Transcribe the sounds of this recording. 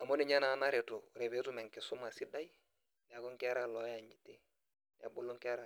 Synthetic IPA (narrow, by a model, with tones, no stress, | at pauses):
a˨mo˦ni˨ɲa˦na˨˦na˦ɾe˨tʊ˨ɾe˨be˦tu˦mɛ˨ŋkɪ˨sʊ˦ma˨sɪ˦da˦j | n˨a˨ku˦ŋkɛ˦ɾa˨lɔ˦ja˨ɲi˨te˦ | n˨a̰˨bu˨lːu˦ŋkɾa˨